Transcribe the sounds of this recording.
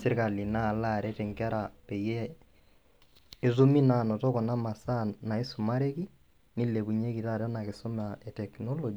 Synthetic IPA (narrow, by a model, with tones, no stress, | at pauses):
sɪ˦ɾka˨li˨na˦˨la˦˨ɾɛ˦tɛ˨ŋɡa˦ɾa˨pɛ˨jɛ˦ | zu˦mi˦na˨nɔ˨tɔ˦kɔ˨na˦ma˨sa˦na˨i˦su˨ma˦ɾe˦ki˦ | ni˦le˨βu˨ɲe˦ki˨ta˦ɾa˦na˨kɪ˨sɔ˦ma˨ɛ˨tɛ˨knɔ˦lɔ˨d͡ʒ